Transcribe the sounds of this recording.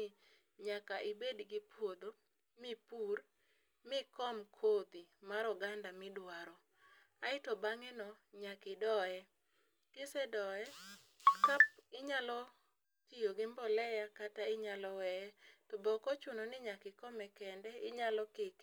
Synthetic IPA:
ɲakaʔɪbedɡɪpwod̪o | mɪpur | mɪkɔmkʰod̪imaɾɔɡandamɪdwaɾɔ | aɪtɔbaŋɛnɔɲakɪdɔɛ | kɪsɛdɔɛkap̚ɪɲalɔ | tijoɡɪmbɔlɛjakataɪɲalɔwɛɛtɔbɔkɔt͡ʃʊnɔnɪɲakɪkɔmɛkɛndɛɪɲalɔkek

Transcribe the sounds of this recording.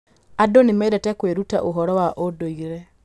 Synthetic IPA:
adonimɛiɾɛtɛkweɾuta̰ʔoɦɔɾɔwaʔodoiɾɛ

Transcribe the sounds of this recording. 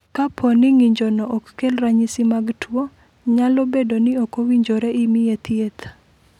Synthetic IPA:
kapʰonɪŋiɲd͡ʒonɔʔɔkːelraɲisimaɡtwo | ɲalobedonɪokowiɲd͡ʒoɾeɪmɪjet̪iet̪

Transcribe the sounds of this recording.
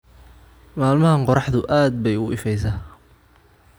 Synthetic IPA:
maːlmɐɦɐqɔɾɑħðʊʔaːd̪̚bɛjʊɪfɛjs̬aː

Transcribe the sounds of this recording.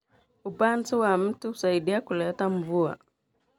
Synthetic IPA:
upantuwam̩tuusaiɗiakulɛtaɱ̩vua̰

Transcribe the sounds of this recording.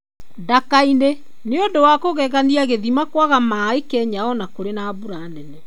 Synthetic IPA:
dakaine | neondowakoɣɛɣaniaɣeðimakwaɣamaekɛːɲaɔnakoɾenabuɾanɛnɛ

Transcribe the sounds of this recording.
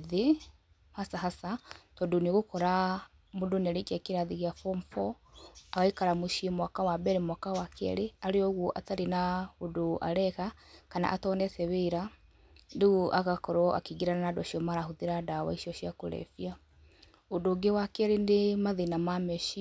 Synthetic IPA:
ðe | hasaɦasatɔdoneɣokɔɾa | modonɛɾekiakeɾaðiɣjafɔmfɔ | aɣaikaɾamoʃiemwakawabɛɾemwakawakɛ̰ɾeaɾeɔɣwɔʔataɾenaodoʔa̰ɾɛkakana̰ʔatɔnɛsɛβeːɾa | ndeɣuʔa̰ɣakɔɾɔʔa̰kiɡiɾananadɔʃiɔmaɾaɦoðeɾadawa̰iʃiɔʃiako̰ɾɛ̰fia | odoɡewakɛɾendemaðenamamɛʃi

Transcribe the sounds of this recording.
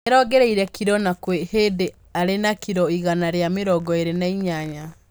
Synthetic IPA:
eɾɔɡɛɾeiɾɛkʰiɾɔnakwehede | aɾenakiɾɔiɣanaɾeameɾɔɡɔeɾenaiɲaɲa

